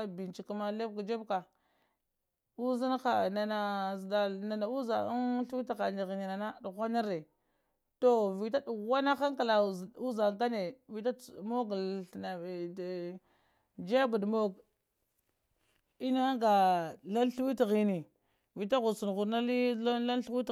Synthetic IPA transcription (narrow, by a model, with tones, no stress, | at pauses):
bi˨nt͡ʃi˨ku˨ma˦le˦bka˨d͡ʒe˦bka˨ | u˦zi˦nxa˨na˨na˨zda˨na˨na˨u˦za˨˦nɬu˦wi˦ta˨xa˨na˨ɣi˨ni˨na˨na˦˨ɗu˨ɣʷa˦ni˦ɾe˨ | to˨vi˨ta˦ɗu˨wa˦na˦xa˦ŋka˨la˨u˦za˨ŋka˦ne˨vi˨ta˦mo˦ɡna˨ | d͡ʒe˦bu˨dmo˦ɡ | i˦na˦ŋɡa˨la˦n˦ɬu˦wi˦tɣi˨ni˨ | vi˨ta˦ɣu˨su˨n˨ɣu˨ɾna˦li˦la˦ɬwi˦t